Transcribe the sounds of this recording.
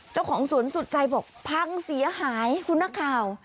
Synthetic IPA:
t͡ɕaː˥˩wkʰɔː˩˦ŋsu˨˩˦ənsu˨˩t̪̚t͡ɕa˧jbɔː˨˩k̚pʰa˧˥ŋsi˨˩˦ɐɦaː˨˩˦jkʰu˧nːaː˧˥kʰːaː˨˩w

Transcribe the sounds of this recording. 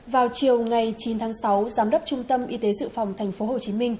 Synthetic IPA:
vaː˨˩wt͡ɕi˨˩əwŋa˨˩jt͡ɕi˨˦nt̪ʰaː˨˦ŋsa˨˦wzaː˨˦mɗə˦˥p̚t͡ɕʊ˧ŋ͡mt̪ə˧mʔi˧t̪e˨˦zɨ̰˧˨fa˨˩wŋ͡mt̪ʰɛ˨˩jŋ̟fo˨˦ɦo˨˩t͡ɕi˨˦mï˧ŋ̟

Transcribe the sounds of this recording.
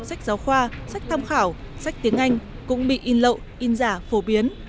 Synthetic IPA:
sa˦˥k̟̚zaː˨˦wxwaː˧sa˦˥jk̚t̪ʰa˧mxaː˧˩w | sa˦˥jk̚t̪i˨˦əŋʔa˧jŋ̟ | kʊ̰˧˥ŋ͡mɓḭ˧˨ʔi˧nlə̰˧˨w | ʔi˧nzaː˧˩fo˧˩ɓi˨˦ən

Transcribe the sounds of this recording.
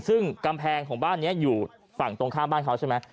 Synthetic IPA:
sɯ˥˩ŋka˧mpʰɛː˧ŋkʰɔː˩˦ŋbaː˥˩nːi˦˥ɐjuː˨˩ | fa˨˩ŋt̪o˧ŋkʰaː˥˩mbaː˥˩nkʰa˦˥wt͡ɕʰa˥˩ma˦˥j

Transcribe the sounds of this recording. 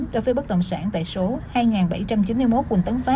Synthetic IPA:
ɗo˨˦jvəː˨˦jɓə˦˥k̚ɗə̰˧˨wŋ͡msaː˧˩nt̪a̰ː˧˨jso˨˦haː˧jŋaː˨˩nɓa˧˩jt͡ɕa˧mt͡ɕi˨˦nmɨ˧jmo˦˥kwə˨˩nt̪ə˨˦nfaː˦˥

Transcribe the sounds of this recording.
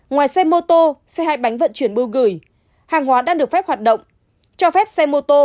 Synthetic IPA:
ŋwaː˨˩jsɛ˧mo˧t̪o˧sɛ˧ha̰ː˧˨jɓa˨˦jŋ̟və̰˧˨nt͡ɕwi˧˩ənɓɨ˧wɣɨ˧˩j | haː˨˩ŋɦwaː˨˦ɗaː˧ŋɗɨ˨˩ək̚fɛ˦˥p̚ha˨˩t̚ɗə̰˧˨wŋ͡m | t͡ɕɔ˧fɛ˦˥p̚sɛ˧mo˧t̪o˧

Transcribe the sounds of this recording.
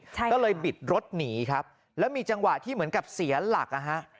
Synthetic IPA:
kɔː˥˩lɤː˧jbi˨˩t̪̚ɾo˦˥t̪̚niː˩˦kʰa˦˥p̚ | lɛː˦˥wmiː˧t͡ɕa˧ŋwa˨˩t̪ʰiː˥˩mɯ˩˦ənka˨˩p̚si˩˦ɐla̰˨˩k̚ʔa˧ɦa˦˥ʔ

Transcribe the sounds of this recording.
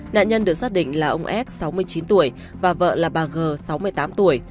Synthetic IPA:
na̰ː˧˨nɲə˧nɗɨ˨˩ək̚saː˦˥t̚ɗḭ˧˨ŋ̟laː˨˩ʔə˧wŋ͡mʔɛ˦˥t̚sa˨˦wmɨ˧əjt͡ɕi˨˦nt̪u˧˩əj | vaː˨˩və̰ː˧˨laː˨˩ɓaː˨˩ɣəː˨˩sa˨˦wmɨ˧əjt̪aː˨˦mt̪u˧˩əj

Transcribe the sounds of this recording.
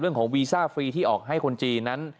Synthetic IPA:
ɾɯ˥˩əŋkʰɔː˩˦ŋwiː˧saː˥˩fɾiː˧t̪ʰiː˥˩ʔɔ̰ː˨˩k̚ɦa˥˩jkʰo˧nt͡ɕiː˧na˦˥n

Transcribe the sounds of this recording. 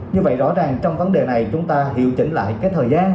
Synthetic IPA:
ɲɨ˧və̰˧˨jzɔ̰˧˥zaː˨˩ŋt͡ɕɔ˧wŋ͡mvə˨˦nɗe˨˩na˨˩jt͡ɕʊ˨˦ŋ͡mt̪aː˧ɦḭ˧˨əwt͡ɕï˧˩ŋ̟la̰ː˧˨jkaː˨˦jt̪ʰəː˨˩jzaː˧n

